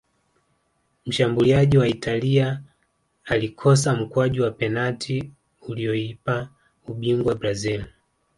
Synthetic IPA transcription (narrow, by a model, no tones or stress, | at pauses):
m̩ʃambuliaʄiwaitaliaː | likʰɔs̬am̩kwaʄiwapɛnatʰi | uliɔipa | uɓiŋɡwabɾazil